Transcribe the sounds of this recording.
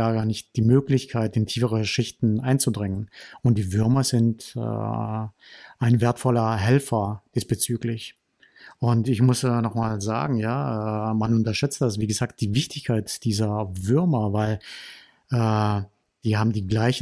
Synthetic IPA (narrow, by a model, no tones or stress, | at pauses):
aːɡaːnɪçt̚d̥iːmøːklɪçkʰaɪtɪntʰiːfəʁ̞əʃɪçtn̩ʔaɪnt͡sudʁɪŋənʔʊntd̥iːvʏɐmɐzɪntʔɛ̰ː | ʔaɪnveːɐtfɔlɐɦɛlfɐd̥iːsb̥ət͡syːklɪç | ʔʊntɪçmʊsɛnɔχmaːlza̰ːɡŋ̩jaːʔɛmanʊntɐʃɛt͡st̚d̥asv̥iːɡəzaːk̚t̚d̥iːvɪçtɪçkʰaɪtd̥iːzɐvʏɐmɐvaɪl | ʔɛː | d̥iːhaːbm̩diːɡlaɪç